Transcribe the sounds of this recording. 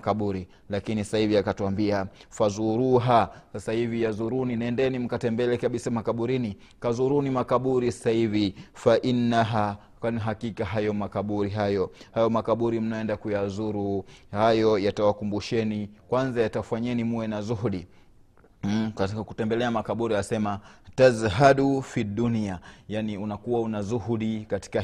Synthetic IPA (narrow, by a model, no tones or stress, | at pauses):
kaɓuɾi | lakinisasahiviakatuambiafazuɾuɦasasahivijazuɾuninɛndɛnim̩katɛmbɛlɛkaɓisamakaɓuɾini | kazuɾuːnimakaɓuɾisḁsahivifaʔinːaɦa | anɦakikaɦajɔmakaɓuɾiɦajɔhajɔmakaɓuɾim̩naɛndakujazuɾuhajɔjatawakumbuʃɛnikwanzajatafaɲɛnimuwɛnazuɦuɗi | katikaku̥tɛmbɛlɛamakaɓuɾiasɛmatazɦaɗufidːuniajaniunakuwaunazuhuɗikati̥ka